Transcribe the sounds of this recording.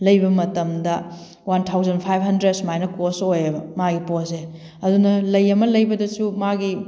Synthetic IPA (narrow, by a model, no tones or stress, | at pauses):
lɐjbɐmɐtɐmdɐ | wantʰawzɐnpʰajbɦɐndɾedsmajnɐkosojɐbɐmaɡipose | ɐdunɐlɐjɐmɐlɐjbɐdɐsumaɡi